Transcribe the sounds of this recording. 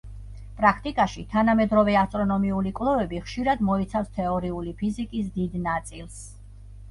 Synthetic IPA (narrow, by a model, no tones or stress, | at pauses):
pʼɾakʰt̪ʼikʼaʃit̪ʰanamɛd̪ɾɔvɛast̪ʼɾɔnɔmiulikʼvlˠɔvɛbiχʃiɾad̪mɔit̪sʰafst̪ʰɛɔɾiulipʰizikʼis̬d̪id̪nat̪sʼilˠs